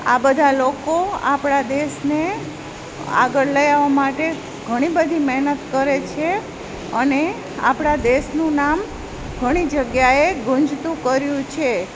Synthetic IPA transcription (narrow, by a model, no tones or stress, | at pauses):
a̰bəd̪ʱalokoa̰pɽad̪esne | a̰ɡəɾləjaʋamaʈe | ɡʱəɽ̃ibəd̪ʱimɛɦnət̪kəɾet͡ʃʰe | əne | a̰pɽ̃ad̪eʃnũnam | ɡʱəɽ̃id͡ʒəɡjaeɡʊ̃ɲd͡ʒt̪ũkəɾjũt͡ʃʰe